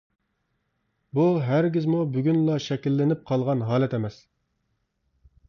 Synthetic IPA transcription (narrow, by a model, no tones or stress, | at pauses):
buɦæɾɡʲizmubyɡʲynlˠɑʃɛkʲilːɪnɪp̚qʰɑlˠʁɑnɦɑːlɛt̪ʰɛmɛs